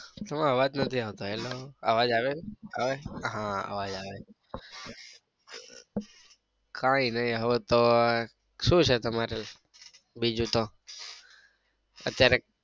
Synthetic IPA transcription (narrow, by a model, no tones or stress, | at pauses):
t̪əmeɦəʋad͡ʒnət̪ʰiaʋt̪oeloa̰ʋad͡ʒaʋeaʋeɦãa̰ʋad͡ʒaʋe | kʰainəjɦəʋet̪o | ʃũt͡ʃʰet̪əmaɾel | bid͡ʒut̪o | ə̰t̪jaɾe